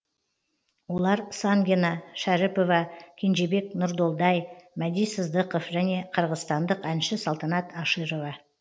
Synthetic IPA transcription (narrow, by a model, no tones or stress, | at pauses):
wo̞lˠɑɾsɑŋɡʲenɑʃæɾɪpo̞vɑkʲʰenʒe̞be̞k̚nʊɾd̪o̞lˠd̪ɑjmæd̪ijsəzd̪əqofʒæne̞qʰəɾʁəzst̪ɑnd̪əqænʃɪsɑlˠt̪ɑnɑt̪ʰɑʃɨɾo̞vɑ